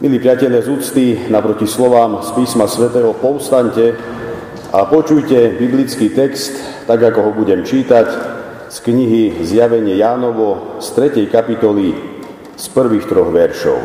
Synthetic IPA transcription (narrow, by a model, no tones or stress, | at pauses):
mʔiliːpɾɪacɛʎɪazuːt͡st̪iːnapɾɔcislɔʋaːmspiːsmasʋɛt̪ɛːɦɔpɔʊst̪aɲcɛ | apɔt͡ʃujcɛbiblit͡skiːt̪ɛkst̪ːaɡakɔɦɔbuɟɛmt͡ʃiːt̪ac | skɲiɦizjaʋɛɲɪɛjaːnɔʋɔst̪ɾɛcɛjkapit̪ɔli | spr̩ʋiːxt̪ɾɔɣʋɛɾʃɔ̰ʊ